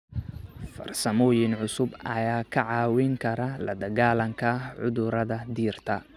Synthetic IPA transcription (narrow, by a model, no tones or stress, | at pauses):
fɐ̰rsɐmɔːjɪnʕʊsʊbɐ̰jaːkʰɐʕɑːwɪŋkʰɐɾɐlɐ̰d̪ɐɣaːlɐŋkʰɐʕʊ̰ðʊɾɐðɐd̪iːrt̪ʰɐ